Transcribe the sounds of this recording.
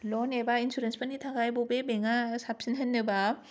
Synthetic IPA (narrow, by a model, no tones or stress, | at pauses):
lɔnebainsʰuɾenspʰɯnːit̪ʰaɡaebobemeŋasʰapɕ͈ʰinɦenːɯba